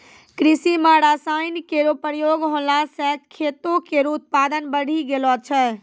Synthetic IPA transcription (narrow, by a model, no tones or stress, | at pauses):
kɾisimãɾasajnkeɾopɾjoɡɦõlasɛkʰːet̪okeɾut̪̚pad̪ənbəɽ̤iɡelɔt͡ʃʰɛ